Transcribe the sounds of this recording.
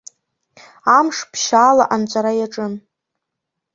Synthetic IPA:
amʂpʰʃaːlaʔant͡ʃʷʼaɾajaʈ͡ʂʼɨn

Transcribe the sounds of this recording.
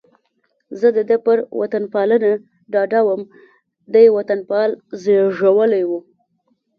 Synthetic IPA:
zəd̪əd̪əpəɾwa̰t̪anpɑləna | ɖɑɖawəm | d̪ajwat̪anpɑlzeʐawəlajwu

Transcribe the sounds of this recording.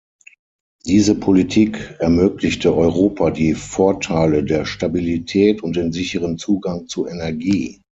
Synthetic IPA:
d̥iːzəpʰolitʰiːkɛɐmøːklɪçtəʔɔʏʁoːpadiːfɔɐtʰaɪlədeːɐʃtabilitʰɛːtʊnt̚d̥eːnzɪçəʁənt͡suːɡaŋt͡suʔɛnɛɐɡiː

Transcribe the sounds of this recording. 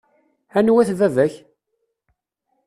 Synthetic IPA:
ænwæθvævæç

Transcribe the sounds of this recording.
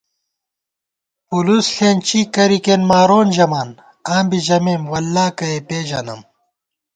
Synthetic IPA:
pulusɬʰeːnt͡ɕiːkɐɾikenmaːɾoːnʑɐmaːn | ãːmbiʑɐmeːmwɐlːaːkɐepeːʑɐnɐ̰m

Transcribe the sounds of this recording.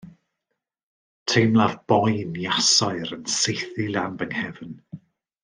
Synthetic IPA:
tʰejmlˠavb̥ɔjnjasɔɨɾənsejθilˠanbənhɛvn

